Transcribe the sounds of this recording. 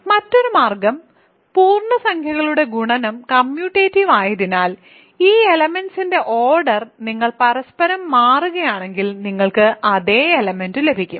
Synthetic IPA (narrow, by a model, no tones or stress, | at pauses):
mɐtːo̞ɾumaːrɡɐm | puːrɳɐsɐŋkʰjɐɣɐɭuɽe̞ɡuɳɐnɐmkɐmjuːʈːeːtːiʋaːjɐðinaːl | iːelɐme̞nsinde̞ʔoːrɖɐrniŋːɐɭpɐɾɐspɐɾɐmːaːruɣɐjaːɳe̞ŋɡilniŋːɐɭkɨʔɐðe̞ːelɐme̞ndɨle̞bʱikʲːum